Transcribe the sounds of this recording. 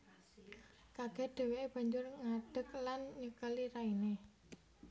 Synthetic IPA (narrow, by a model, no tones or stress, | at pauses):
kaɡ̥ɛ̤ɖ̪̥e̤weʔeb̥a̤ɲd͡ʒʊrŋaɖ̥ə̤k̚lanɲəkəliɾaine